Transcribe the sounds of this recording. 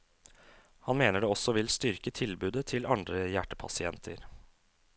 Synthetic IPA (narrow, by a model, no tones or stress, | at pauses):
hɑnmeːnəɖeːɔsɔʋɪlst̪ʏɾkət̪ʰɪlbʉːd̪ət̪ʰɪlɑnd̪ɾəjæʈːə̥pʰɑ̰sɪɛnt̪ʰə̰ɾ